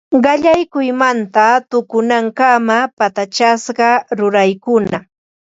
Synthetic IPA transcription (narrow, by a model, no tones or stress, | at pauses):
ɢɑʎajkʊjmant̪at̪ʊkʊnaŋkamapat̪at͡ʃasɢɑɾʊɾajkʊna